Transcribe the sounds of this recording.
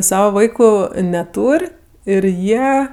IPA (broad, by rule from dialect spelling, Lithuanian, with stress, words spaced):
ˈsɑːʋɐ ˈʋɐɪkʊ nʲɛˈtuːrʲ ɪr ˈjiɛ